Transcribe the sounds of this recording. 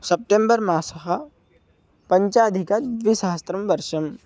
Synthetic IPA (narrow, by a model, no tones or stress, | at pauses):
sɐp̚ʈẽmbəɾmaːsɐɦa | pɐ̃ɲt͡ʃaɐd̪ʱɪkad̪ʋisaːəst̪ɾɐmʋɐɾʃɐm